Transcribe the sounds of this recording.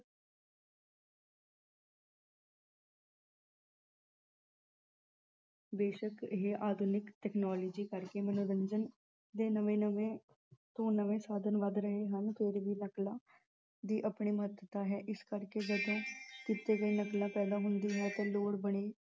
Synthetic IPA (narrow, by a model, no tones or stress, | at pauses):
beːʃəkɪɦeʔaːd̪ʱunɪkʈɛːknaːloːd͡ʒiːkəɾkeːmənoːɾəɲd͡ʒən | d̪eːnəʋẽːnəʋẽː | t̪õːnəʋẽːsaːd̪ənʋəd̪ɾəɦeːɦənpʰɪɾʋiːnəklãː | d̪iːʔəpɳiːməɦət̪ət̪aːɦɛːʔɪskəɾkeːd͡ʒəd̪õːkit̪eːɡəiːnəklãːpɛːd̪aːɦʊnd̪iːɦɛ̃ːt̪ẽːloːɽbəɽ̃iː